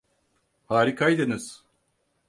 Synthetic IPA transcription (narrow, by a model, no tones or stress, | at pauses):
haːɾikʰajd̪ɯnɯz̥